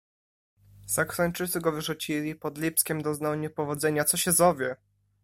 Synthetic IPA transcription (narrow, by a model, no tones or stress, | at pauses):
sakɾant͡ʂɘt̪sɘɡɔvɘʐut͡ɕilʲipɔd̪lʲipskʲɛmd̪ɔznawɲɛpɔvɔd̪zɛɲat̪sɔɕɛzɔvʲjɛ